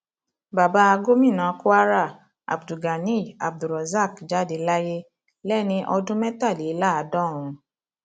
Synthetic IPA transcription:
ba˨ba˧˦a˧ɡo˦mĩ˦˨nã˨˦ko˦a˦ɾa˦˨ | a̰˨bdu˨ɡa˨nĩ˦˨a˨b̚du˨ɾɔ˨za˦˨kd͡ʒa˦de˧˦la˦je˦ | lɛ˦˨nĩ˧ʔɔ˧dũ˦mɛ˦ta˦˨le˨˦la˦a˨dɔ̃˦˨ɾ̃ũ˧

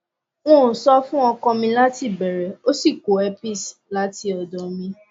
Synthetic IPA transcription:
w̃ɔ̃˦˨sɔ˦fũ˦ɔ˧kɔ̃˧mĩ˧la˦ti˦˨bɛ˨ɾɛ˨o˦si˦˨ko˨ɛ˧pi˦˨sla˨˦ti˧ɔ˨dɔ˨mĩ˧

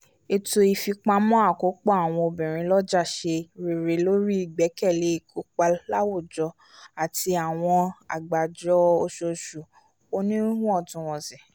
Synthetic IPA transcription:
e˧to˧i˧fi˧k͡pa˧mɔ̃˦a˦˨ko˨˦k͡pɔ˦a˨w̃ɔ̃˧o˧bĩ˨ɾ̃ĩ˧lɔ˦d͡ʒa˦˨ʃe˧ɾe˨ɾe˨˦lo˦ɾi˦i˦˨ɡ͡bɛ˨˦kɛ˦˨le˨˦i˦˨kʰo˧˦k͡pa˧la˦wo˦˨d͡ʒɔ˧ | a˨ti˧a˨w̃ɔ̃˧a̰˨ɡ͡ba˨d͡ʒɔ˧o˧ʃo˧ʃu˨ | o˧nĩ˦ɾĩ˦hũ˦ɔ˦˨tũ˨˧wɔ̃˨zɛ˨

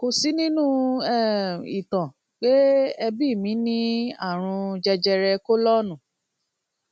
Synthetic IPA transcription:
ko˧si˨˦nĩ˦nũ˦ɛ˦˨i˨tã˨ | k͡pe˦ɛ˧bi˦˨mĩ˨˦nĩ˦a˦˨ɾ̃ũ˧d͡ʒɛ˧d͡ʒɛ˧ɾɛ˧ko˦lɔ˦nũ˦˨

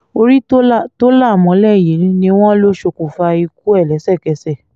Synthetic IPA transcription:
o˧ɾi˦to˦la˦˨to˦la˦˨mɔ̃˨˦lɛ˦˨je˨˦ĩ˧˦nĩ˧w̃ɔ̃˦lo˦ʃo˧ku˨fa˧i˧k̚u˦ɛ˦˨lɛ˨˦sɛ˦˨kɛ˨sɛ˦˨

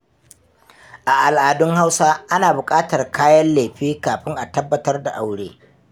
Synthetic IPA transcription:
ʔa˨ʔa˨lʔaː˨dʊ˦ŋha˦wsaː˦ʔa˦naː˨bʊ˨kʼaː˦tɐ˨rkʰaː˦jɐ˦nle˨ɸiː˦kaː˨ɸɪ˦ŋʔa˨tɐ˦bːɐ˨tɐ˦rda˨ʔa˦wɽeː˦

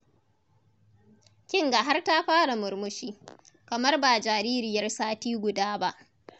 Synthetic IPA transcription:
kʲɪ˦ŋɡa˨ɦa˦rta˦ɸaː˦ɽa˨mʊ˨ɾmʊ˦ʃiː˦ | kɐ˨mɐ˦rbaː˨d͡ʒaː˨ɾiː˦ɾɪ˨jɐ˦rsaː˦tiː˦ɡʷʊ˨daː˦ba˦ʔ

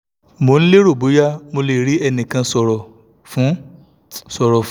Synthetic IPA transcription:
mo˨˧n̩˦le˦ɾo˦˨bo˨˦ja˦mo˧le˨ɾi˨˦ɛ˧nĩ˨kã˧sɔ˨ɾɔ˨ | fũ˨˦ | sɔ˨ɾɔ˨

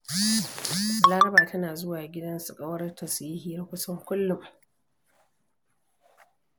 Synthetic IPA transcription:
laː˦ɾɐ˦baː˨tʰɐ˦naː˨zʊ˦waː˨ɡʲɪ˦dɐ˦nsʊ˨kʼɐ˦wɐ˦rtʰɐ˨siː˦hiː˦kʷʊ˦sɐ˦ŋkʷʊ˦lːʊ˨m

